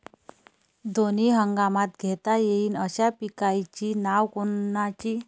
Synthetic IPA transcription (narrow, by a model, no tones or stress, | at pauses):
d̪oniɦəŋɡamat̪ɡʱet̪ajeiːnəɕapikajt͡ɕiːnaʋkonat͡ɕiː